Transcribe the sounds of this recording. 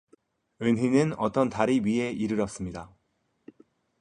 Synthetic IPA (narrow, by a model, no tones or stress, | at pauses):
ɯnɦinɯnʌt͈ʌntaɾiɥie̞iɾɯɾʌs͈ɯmɲida